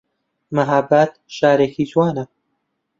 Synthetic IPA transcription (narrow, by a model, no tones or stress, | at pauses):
mɐɦabːat̪̚ʃaːɾeːkʰizwaːnɐ